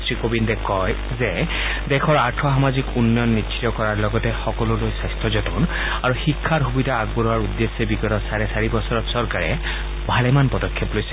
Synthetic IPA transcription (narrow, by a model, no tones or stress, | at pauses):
stɹikobindɛkɔj | zɛ | dɛxʰɔɹaɹtʰɔxamazikunːɔjɔnːitsʰi̥tɔkɔɹaɹlɔɡɔtɛxɔkɔlʊlojsajstɔzɔtɔn | aɹuxikʰːaɹxubidaːɡ̚bɔlɔwaɹudːesːebiɡɔtɔsaɹɛsaɹibɔsɔɹɔtsɔɹkaɹɛ̰ | bʱalɛmanpɔdɔkʰːɛplojsɛ